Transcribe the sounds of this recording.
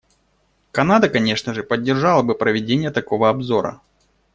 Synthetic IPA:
kɐnad̪əkɐnʲe̞ʂnəʐɨpədʲːɪrʐɑlˠəbɨpɾəvʲɪdʲenʲɪjət̪ɐko̞vəɐbzo̞ɾə̰

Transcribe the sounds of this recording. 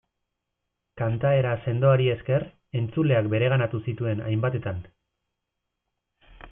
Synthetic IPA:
kant̪ae̞ɾase̞nd̪o̞aɾie̞ske̞r | e̞nt͡sule̞ak̚be̞ɾe̞ɣ̞anat̪usit̪ue̞na̰jmbat̪e̞t̪an

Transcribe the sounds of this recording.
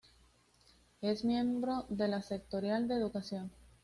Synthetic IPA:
e̞zmjẽ̞mbɾo̞ðe̞lase̞k̚t̪oɾjald̪e̞ːðukasjo̞n

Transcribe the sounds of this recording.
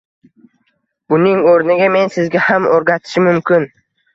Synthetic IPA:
b̥ʊnɪŋoɾnɪɡʲame̞nsɪzɡʲahamoɾɡʲat̪ʰɪ̥ʃɪmʊmkʲɪn

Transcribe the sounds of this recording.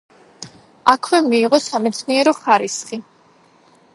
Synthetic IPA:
akʰwɛmiːʁɔsamɛt̪sʰniɛɾɔχaɾisχi

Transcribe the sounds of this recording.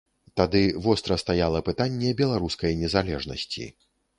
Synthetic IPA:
t̪ad̪ɨvɔst̪ɾɐst̪ajalˠɐpɨt̪anʲːɛbʲɛlˠaɾuskɐjnʲɛzalʲɛʐnɐ̰sʲt͡sʲḭ

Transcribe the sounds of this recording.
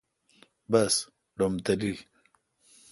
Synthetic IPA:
bɐs | ɖomt̪ali

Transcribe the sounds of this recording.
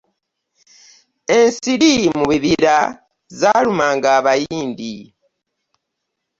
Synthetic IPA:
e̞nsiɾimuβiβiɾa | zalumaːŋɡaːβajiːndi

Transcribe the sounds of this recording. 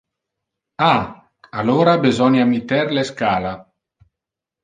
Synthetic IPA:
a | aloːɾabezɔnjamit̪ɛɾleskaːla

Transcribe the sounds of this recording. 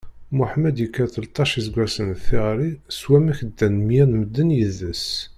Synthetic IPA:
mʊħmæd̪jəkːæt̪əlt̪ˤɑʃizɡʷæsənθiɾˤiswæmæçəd̪ːænmjænməd̪ːənjəðəs

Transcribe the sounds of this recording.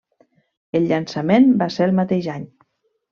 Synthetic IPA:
elʎːansamenbaseɾlˠmat̪eʒaɲ

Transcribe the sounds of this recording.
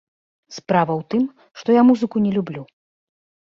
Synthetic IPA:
spɾavɐwt̪ɨm | ʂt̪ɔjamuzɨkunʲɛlʲublʲu

